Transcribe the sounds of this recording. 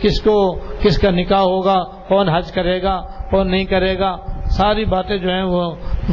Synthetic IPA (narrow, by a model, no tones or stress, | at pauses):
kɪskokɪskanɪkaɦoːɡa | kɔːnɦɐd͡ʒkɐɾeːɡaːkɔːnːɐɦĩkɐɾeːɡaːsaːɾibaːt̪ẽd͡ʒoːɦɛ̃ʋo